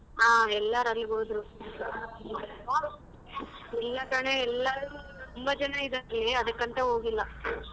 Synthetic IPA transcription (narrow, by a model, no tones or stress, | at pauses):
aːɛlːɐɾɐlːibɐɦd̪ɾu | ilːɐkaːneɛlːɐɾut̪umbɐd͡ʒɐnɐid̪ɐliɐd̪ɐkːɐɳt̪ɐɦoːɡilːɐ